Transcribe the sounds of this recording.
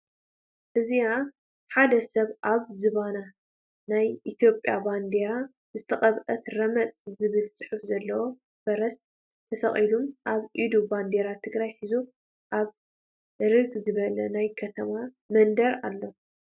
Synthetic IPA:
ʔɨzija | ħad̪ɐsɐβʔaβzɨβana | najʔit̪ʰijo̞pʼjaband̪eɾa | zɨt̪ʰɐχʼɐβʔɐt̪ɾɐmɐt͡sʼzɨβɨlt͡sʼɨ̥ħufzɐlːɐwo̞ | b̥ɐɾɐs | t̪ʰɐsɐ̰χʼilumʔaβʔid̪uband̪eɾat̪ʰːɨɡɾajħizu | ʔaβ | ɾɨɡzɨβɐlɐnajkʰɐt̪ʰɐma | mɐnd̪ɐɾa̰lːo̞

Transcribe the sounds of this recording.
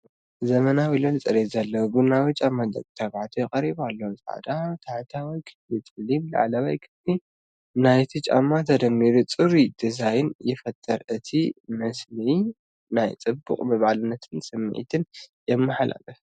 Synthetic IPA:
zɐmɐnawilolɨt͡sʼɐɾezɐlːɐwbɨnawɨt͡ʃʼamːad̪ɐ̰kʼt̪ʰaβʕat̪ʰujɛqʼɐɾiβalːɐwsʕa̰d̪at̪ʰaħt̪ʰawɔjkʰɨ̥flit̪ʰʼɨlimla̰ʕlaβajkʰɨfli | najt̪ʰɨt͡ʃʼa̰mːat̪ʰɐd̪ɐmːiɾut͡sʼɨɾid̪̥ɨzajɪnjɪfɐt̪ʼːɐɾɨt̪ʰimɐsli | najt͡sʼɨbːuqʼmɐβʕalɨnːɐt̪ʰɨnsʼɨm̰ːʕḭt̪ʰɨnjɛmːɨħalʔa̰fɐ

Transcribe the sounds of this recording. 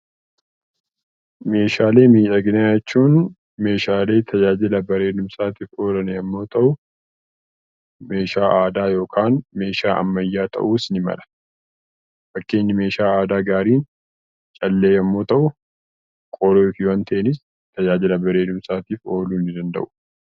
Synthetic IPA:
me̞ːʃaːle̞ːmiːᶑɐɡɪnat͡ʃːuːn | me̞ːʃaːle̞ːt̪ʰɐd͡ʒaːd͡ʒɪlɐbɐɾe̞ːd̪ʊmsaːt̪iːfo̞ːlɐnɛjɐmːo̞ːt̪ʰʼɐʔʊ | me̞ːʃaːʔaːd̪aːjo̞ːkʰaːnme̞ːʃaːʔɐ̰mːɐjːaːt̪ʼɐ̰ʔuːsnɪmɐ̰lɐ̥ | fɐkːe̞ːɲːɐme̞ːʃaːaːd̪aːɡaːɾiːn | t͡ʃʼɐlːe̞ːjɐmːo̞ːt̪ɐʔʊ | kʼɔloːfɪwɐnt̪ʰɐʔɛnɪs | t̪ɐd͡ʒaːd͡ʒɪlɐbɐɾe̞ːd̪ʊmsaːt̪iːfo̞ːluːnːɪd̪ɐnd̪ɐ̰ʔʊ̥

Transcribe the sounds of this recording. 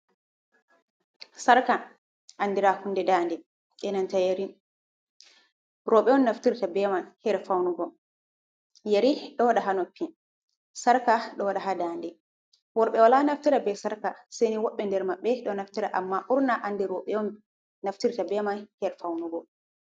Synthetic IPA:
saɾka | ʔandiɾahunːdɛdandɛ | ʔɛnantajeɾin | ɾɔɓɛɔnːaftiɾtabɛmanhɛɾfawnuɡɔ | jaɾiɗɔwaɗaɦanɔpːin | saɾkaɗɔwaɗaɦadaːndɛ | wɔɾɓɛwalanaftiɾabɛsaɾkasejniwɔɓːɛndɛɾmaɓːɛɗɔnaftiɾaʔamːaʔuɾnaʔandɛɾɔɓɛɔnː | aftiɾtabɛmanhɛɾfawnuɡɔ

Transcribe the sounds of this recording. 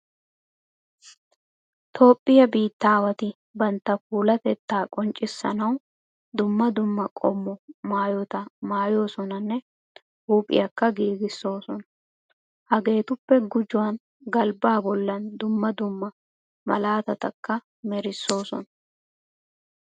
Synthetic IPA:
t̪ʰo̞ːpʼːɪjɐbiːt̪ːaːwɐt̪ɪ | bɐnt̪ːɐfuːlɐt̪ɛt̪ːaːkʼɔnt͡ʃʼɪsːɐ̰nɐw | d̪ʊmːɐd̪ʊmːɐkʼɔmːɔmaːjɔt̪ɐmaːjo̞ːsɔnɐnːɛ | huːpʼɪ̰jɐkːɐɡiːɡɪsːo̞ːsɔnɐ | hɐɡe̞ːt̪ʊpːɛɡʊd͡ʒʊwɐn | ɡɐlbaːbɔlːɐnd̪ʊmːɐd̪ʊmːɐ | mɐ̰laːt̪ɐt̪ɐkːɐ | mɛɾɪsːo̞ːsɔ̰nɐ

